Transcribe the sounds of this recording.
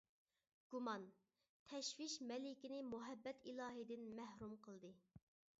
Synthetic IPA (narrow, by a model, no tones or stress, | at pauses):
ɡ̥umɑn | t̪ʰɛʃwɪʃmɛlɪkʲinɪmuɦɛbːɛt̪ʰilˠɑːɦɨd̪ɪnmæhɾumqʰəlˠd̪ɨ